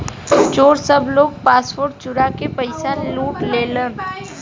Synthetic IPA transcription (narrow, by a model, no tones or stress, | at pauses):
t͡ʃoːɾsɐbloːɡ̚paːspoːɾʈt͡ʃʊɾakepɐɪsaːnluːʈleːlən